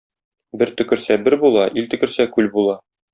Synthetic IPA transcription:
bɘɾt̪ɵ̆kɘ̆ɾsæbɘɾbulˠɑʔilt̪ɵ̆kɘ̆ɾsækʉlbulˠɑ

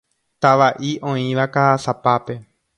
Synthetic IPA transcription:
t̪aʋaʔiʔõ̞ĩʋakaasapape̞

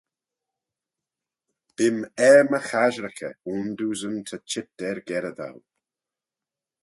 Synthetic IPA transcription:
b̥ɪmɛɹməxaʒɾəkʰə̰und̪uːzəmt̪ʰət͡ʃʰɪt̚d̥ɛɹɡɛɾəða̰w

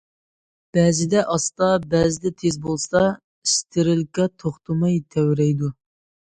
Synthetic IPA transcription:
b̥ɛːzɪd̪ɛʔɑst̪ɑbæzɪd̪ɛt̪ʰezbolˠsɑ | iʃt̪ʰɪɾɪlkʲɛt̪ʰoχt̪ʰumɑjt̪ʰɛwɾɛjd̪u

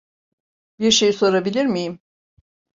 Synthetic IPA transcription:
biɾʃe̞jiso̞ɾabilʲiɾmijim

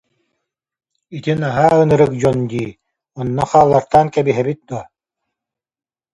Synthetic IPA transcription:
it̪inaɦaːɯnɯɾɯkd͡ʑɔnd̪iː | ɔnːɔχaːlˠːaɾt̪aːnkɛbiɦɛbit̪̚d̪uɔ

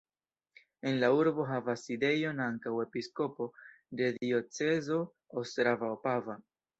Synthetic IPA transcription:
e̞nlauɾbo̞ɦavaside̞jo̞naŋkawe̞pisko̞po̞ | de̞dio̞t͡se̞zo̞ | ostɾavaopava

